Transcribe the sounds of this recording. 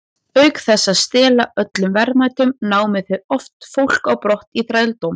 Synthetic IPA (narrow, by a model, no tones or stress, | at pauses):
œɥkθɛsːaðst̪ɛːlaœt̪lʏmvɛɾmajt̪ʏmnaːwmɪðθʏðɔft̪fowl̥kawpɾɔht̪iθɾajlt̪owm